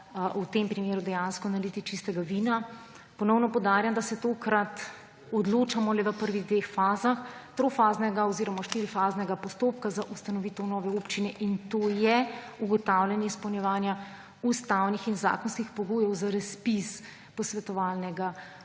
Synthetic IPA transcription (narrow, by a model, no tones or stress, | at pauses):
ut̪empɾimeːɾud̪ɛjanskɔnalit̪it͡ʃist̪ɛɡaʋiːna | pɔnɔwnɔpɔwd̪aːɾjamd̪asɛt̪oːkɾat̪ | ɔd̪loːt͡ʃamɔlɛʋəpəɾʋiɣd̪ʋeːxfaːzaxt̪ɾofaːznɛɡaɔziːɾɔmaʃt̪iːɾifaːznɛɡapɔst̪oːpkazaʔust̪anɔʋit̪ɔnɔːʋɛopt͡ʃinɛʔint̪oːjɛ | uɡɔt̪awlʲɛnjɛispəwnjɛʋaːnja | ust̪awnixinza̰ːkɔnskixpɔɡoːjɛwzaɾɐspis | pɔsʋɛt̪ɔʋaːlnɛɡa